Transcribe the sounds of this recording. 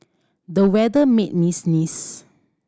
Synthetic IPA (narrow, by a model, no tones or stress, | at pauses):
dəwɛdəmet̚misnis